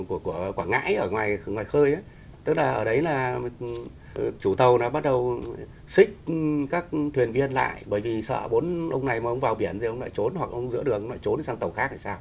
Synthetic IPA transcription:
ku˧˩əku˧˩əkwaː˧˩ŋa̰ː˧˥jʔəː˧˩ŋwaː˨˩jŋwaː˨˩jxəː˧jʔa˨˦ | t̪ɨ˦˥k̚laː˨˩ʔəː˧˩ɗə˨˦jlaː˨˩ | t͡ɕu˧˩t̪ə˨˩wnaː˨˩ɓa˦˥t̚ɗə˨˩w | sï˦˥k̟̚kaː˦˥k̚t̪ʰwi˨˩ənvi˧ənla̰ː˧˨jɓəː˧˩jvi˨˩sə̰ː˧˨ɓo˨˦nʔə˧wŋ͡mna˨˩jmaː˨˩ʔə˧wŋ͡mvaː˨˩wɓi˧˩ənzi˨˩ʔə˧wŋ͡mna̰ː˧˩jt͡ɕo˨˦nhwa˨˩k̚ʔə˧wŋ͡mzɨ̰˧˥ɗɨ˨˩ək̚ə˧wna̰˧˩t͡ɕo˨˦n˨˩sa˧ŋt̪ə˨˩wxaː˦˥k̚aː˧˩saː˧w

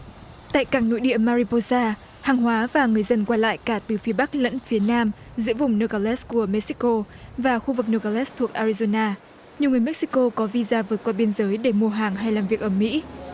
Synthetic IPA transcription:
t̪a̰ː˧˨jkaː˧˩ŋno̰˧˥jɗḭ˧˨əmaː˧ɾi˧po˧saː˧ | haː˨˩ŋɦwaː˨˦vaː˨˩ŋɨ˨˩əjzə˧nkwaː˧la̰ː˧˨jkaː˧˩t̪ɨ˨˩fi˨˦əɓa˦˥k̚lə̰˧˥nfi˨˦ənaː˧m | zɨ̰˧˥əvʊ˨˩ŋ͡mnəː˧kaː˧lɛ˦˥sku˧˩əmɛ˦˥k̚si˦˥ko˧ | vaː˨˩xu˧vɨ˨˩k̚nə˧˩ka˧lɛ˦˥st̪ʰu˨˩ək̚ʔaː˧ɹi˧zo˧naː˧ | ɲi˨wŋɨ˨˩əjmɛ˦˥k̚si̥˦˥ko˧kɔ˨˦vi˧zaː˧vɨː˨˩t̚kwaː˧ɓi˧ənzəː˨˦jɗe˧˩mu˧əɦaː˨˩ŋɦa˧jlaː˨˩mvi˨˩ək̚ʔəː˧˩mḭ˧˥

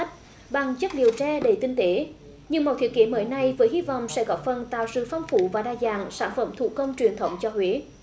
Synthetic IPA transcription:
t̚ | ɓa˨˩ŋzə˦˥t̚ɗi˨˩əwt͡ɕaː˧ɗe˨˩˦t̪ï˧ŋ̟t̪e˨˦ | ɲɨ˧ŋmɔ˨˩t̪ʰi˨˦ət̚ki˨˦məː˨˦jna˧jvəː˨˦jhi˧vɔ̰˧˨wŋ͡msɛ̰˧˥ɣɔ˨˥fə˨˩nt̪a̰ː˧˨wsɨ̰˧˨fa˧wŋ͡mfu˧˩vaː˨˩ɗaː˧zaː˧˩ŋsaː˧˩nfə̰˧˩mt̪ʰṵ˧˩kə˧wŋ͡mt͡ɕwi˨˩ənt̪ʰə˨˦wŋ͡mt͡ɕɔ˧hwe˨˦

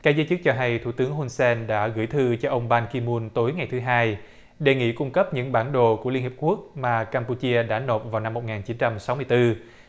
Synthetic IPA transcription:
kaː˦˥k̚zəː˧jt͡ɕɨ˦˥k̚t͡ɕɔ˧ɦa˧jt̪ʰu˧˩t̪ɨ˨˦əŋɦu˧nsɛ˧nɗa̰ː˧˥ɣɨ̰˧˩jt̪ʰɨ˧t͡ɕɔ˧ʔə˧wŋ͡mɓaː˧nki˧mu˧nt̪o˨˦jŋa˨˩jt̪ʰɨ˨˦ɦaː˧j | ɗe˨˩ŋḭ˧˨kʊ˧ŋ͡mkə˦˥p̚ɲɨ̰˧˥ŋɓaː˧˩nɗo˨ku˧˩əi˧nhi˨˩p̚ku˦˥ək̚maː˨˩kaː˧mpu˧t͡ɕi˧əɗa̰ː˧˥no˨˩t̚vaː˨˩wna˧mːo˨˩t̚ŋaː˨˩nt͡ɕi˨˦nt͡ɕa˧msa˨˦wmɨ˧əjt̪ɨ˧

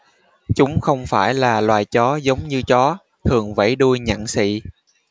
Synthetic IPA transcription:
t͡ɕʊ˨˦ŋ͡mxə˧wŋ͡mfaː˧˩jlaː˨˩lwaː˨˩jt͡ɕɔ˨˦zə˨˦wŋ͡mɲɨ˧t͡ɕɔ˨˦ | t̪ʰɨ˨˩əŋvə̰˧˩jɗu˧jɲa̰˧˨nsḭ˧˨

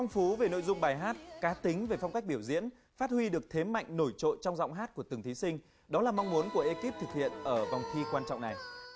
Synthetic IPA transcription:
a˧wŋ͡mfu˨˦ve˨˩no̰˧˨jzʊ˧ŋ͡mɓaː˨˩jɦaː˦˥t̚kaː˨˦t̪ï˨˦ŋ̟ve˨˩fa˧wŋ͡mka˦˥k̚ɓi˧˩əwzḭ˧˥ən | faː˦˥t̚hwi˧ɗɨ˨˩ək̚t̪ʰe˨˦ma̰˧˨jŋ̟no˧˩jt͡ɕo̰˧˨nt͡ɕɔ˧wŋ͡mzɔ̰˧˨wŋ͡mɦaː˦˥t̚ku˧˩ət̪ɨ˨˩ŋt̪ʰi˨˦sï˧ŋ̟ | ɗɔ˨˦laː˨˩ma˧wŋ͡mmu˨˦ənku˧˩əʔe˧ki˦˥p̚t̪ʰɨ˨˩k̚hḭ˧˨ənʔəː˧˩va˨˩wŋ͡mxʰi˧kwaː˧nt͡ɕɔ̰˧˨wŋ͡mna˨˩j

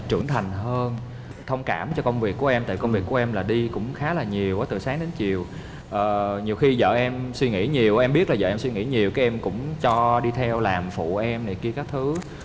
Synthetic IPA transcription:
t͡ɕɨ̰˧˩əŋt̪ʰa˨˩jŋ̟həː˧n | t̪ʰə˧wŋ͡mkaː˧˩mt͡ɕɔ˧kə˧wŋ͡mvi˨˩əkːu˧˩əʔɛ˧mt̪a̰ː˧˨jkə˧wŋ͡mvi˨˩əku˧˩˦ʔɛ˧mlaː˨˩ɗi˧kʊ̰˧˥ŋ͡mxaː˨˦laː˨˩ɲi˨˩əwʔəː˨˦t̪ɨ̰˨˩saː˨˦ŋɗe˨˦nt͡ɕi˨˩əw | ʔəː˨˩ɲi˨˩əwxi˧zə̰ː˧˨ʔɛ˧mswi˧ŋḭ˧˥ɲi˨˩əwʔʔɛ˧mɓi˦˥t̚laː˨˩zə̰ː˧˨ʔɛ˧mswi˧ŋḭ˧˥ɲi˨˩əwkaː˨˦ʔɛ˧mkʊ̰˧˥ŋ͡mt͡ɕɔ˧ɗi˧t̪ʰɛ˧wlaː˨˩mfṵ˧˨ʔɛ˧mna˨˩jki˧əkaː˦˥k̚t̪ʰɨ˨˦

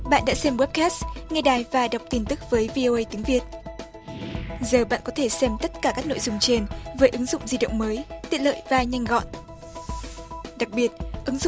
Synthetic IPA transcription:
ɓa̰ː˧˨nɗa̰ː˧˥sɛ˧mwɛ˦˥p̚kɛ˦˥sŋɛ˧ɗaː˨˩jvaː˨˩ɗa˨˩wk͡p̚t̪i˧nt̪ɨ˦˥k̚vəː˨˦jvi˧ʔo˧ʔə˧jt̪i˨˦əŋvi˨˩ət̚ | zəː˨˩ɓa̰ː˧˨nkɔ˨˦t̪ʰe˧˩sɛ˧mt̪ə˦˥t̚kaː˧˩kaː˦˥k̚no̰˧˨jzʊ˨˧˩ŋ͡mt͡ɕe˧nvəː˨˦jʔɨ˨˦ŋzʊ̰˧˨ŋ͡mzi˧˩ɗə̰˧˨wŋ͡mməː˨˦jt̪i˨ələ̰ː˧˨jvaː˨˩ɲa˧jŋ̟ɣɔ̰˧˨n | ɗa˨˩k̚ɓi˨˩ət̚ʔɨ˨˦ŋzʊ̰˧˨

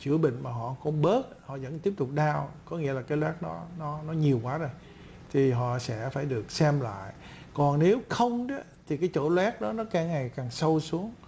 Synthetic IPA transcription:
t͡ɕɨ̰˧˩əɓḭ̈˧˨ŋ̟maː˨˩ɦɔ̰˧˨xɔ˧˩ŋ͡mɓəː˦˥t̚hɔ̰˧˨zə̰˧˥nt̪i˦˥əp̚t̪ʊ˨˩k͡p̚ɗaː˧wkɔ˨˦ŋḭ˧˥əlaː˨˩kaː˨˦jlwɛ˦˥t̚nɔ˨˦nɔ˨˦nɔ˨˦ɲi˨˩əwkwaː˨˦zo˨˩j | t̪ʰi˨˩ɦɔ̰˧˨sɛ̰˧˥faː˧˩jɗɨ˨˩ək̚sɛ˧mla̰ː˧˨j | kɔ˨˩nne˨˦wxə˧wŋ͡mɗɔ˨˦t̪ʰi˨˩kaː˨˦jt͡ɕo̰˧˩lwɛ˦˥t̚ɗɔ˨˦nɔ˨˦kaː˨˩ŋːa˨˩jkaː˨˩ŋsə˧wsu˨˦əŋ

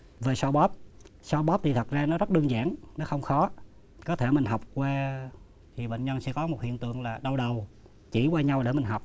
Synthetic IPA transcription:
ve˨˩sɔ˧ɓɔ˦˥p̚sɔ˧ɓɔ˦˥p̚t̪ʰi˨˩t̪ʰə˨˩t̚zaː˧nɔ˨˦zt̚ɗɨ˧əŋza̰ː˧˥nnɔ˨˦xə˧wŋ͡mxɔ˨˦ | kɔ˨˦t̪ʰe˧˩mï˨˩ŋ̟ɦa˨˩wk͡p̚kwaː˧ | t̪ʰi˨˩ɓḛ˧˨ŋ̟ɲə˧nsɛ̰˧˥kɔ˨˦mo˨˩t̚hḭ˧˨ənt̪ɨ̰˧˨əŋlaː˨˩ɗə˧wɗə˨˩w | t͡ɕi˧˩kwaː˧ɲa˧wɗe˧˩mï˨˩ŋ̟ɦa˨˩wk͡p̚

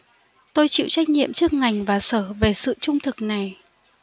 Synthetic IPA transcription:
t̪o˧jt͡ɕḭ˧˨wt͡ɕa˦˥jk̟̚ɲḭ˧˨əmt͡ɕɨ˦˥ək̚ŋa˨˩jŋ̟vaː˨˩səː˧˩ve˨˩sɨ̰˧˨t͡ɕʊ˧ŋ͡mt̪ʰɨ˨˩k̚na˨˩j

